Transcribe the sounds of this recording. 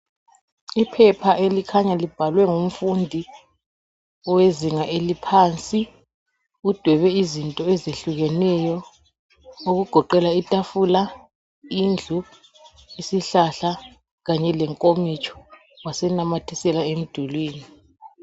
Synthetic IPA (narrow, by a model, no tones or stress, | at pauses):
ipʰɛpʰaʔelikʰaɲalib̥ʱalwɛŋum̩fundʱi | ɔweziŋaʔelipʰaːnt͡sʼi | ud̥ʱwɛβɛizintʼɔɛzeɬuɣɛnɛjɔ | oɣuɡ̥ʱɔǃɛlaitʼafula | ind͡ɮʱu | isiɬaɬa | ɣaɲɛlɛŋkʼomit͡ʃʰʼɔ̥ | wasɛnamatʰisɛlaem̩d̥ʱulwiːni